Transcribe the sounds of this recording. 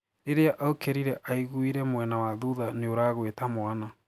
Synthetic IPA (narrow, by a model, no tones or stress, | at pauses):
ɾeɾeaʔaokeɾiɾɛʔaiɣuiɾɛmwɛnawaðuðaneoɾaːɣwetamoana